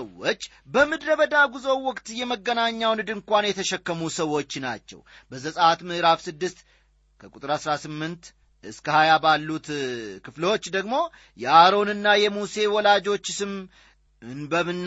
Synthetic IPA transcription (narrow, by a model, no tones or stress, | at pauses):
wot͡ʃː | bəmɨd̪ɾəβəd̪aɡuzo̞wwɔkʼt̪jɛməɡːənaɲːawnɨd̪ɨŋkʷanjɛt̪ʰəʃɛkːəmusəwːo̞t͡ʃːna̰t͡ʃːɛ̰w | bəzəsʼəat̪mɨhɨɾafsɨd̪ːɨst̪ | kʰəkʼut̪ʼɨɾasɾasɨmːɨnt̪ | ɨskʰəhajabalːut̪kʰɨfləwo̞t͡ʃːd̪əɡmo̞ | jɛaɾo̞nɨnːajɛmuse̞wɔlad͡ʒo̞t͡ʃːsɨm | ɨnbəmɨnː